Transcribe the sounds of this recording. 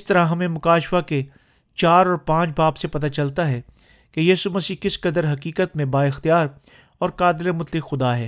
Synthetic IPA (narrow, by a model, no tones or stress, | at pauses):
ɪst̪ɐɾãɦɐmẽmʊkaːʃfake | t͡ʃaːɾɔːɾpãːt͡ʃbaːbsepɐt̪at͡ʃɐlt̪aɦɛː | kejiːsumɐsiːkɪskəd̪əɾɦɐkiːkət̪mẽbaːɪxt̪ijaːɾ | ɔːɾkaːd̪lemʊt̪lɪkxʊd̪aɦɛː